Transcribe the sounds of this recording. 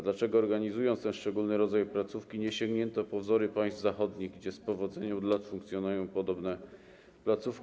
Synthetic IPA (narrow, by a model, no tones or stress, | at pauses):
d̪lat͡ʂɛɡɔːɾɡaɲizujɔnt̪st̪ɛnʂt͡ʂɛɡulnɘɾɔd̪zajplat̪sufkʲiɲɛɕɛŋɡɲɛnt̪ɔpɔvzɔɾɘpajst̪zaxɔd̪ɲiɣɡd͡ʑɛspɔvɔd̪zɛɲɛmd̪lat̪fuŋkt̪sʲjɔnujɔ̃w̃pɔd̪ɔbnɛ | plat̪sufkʲ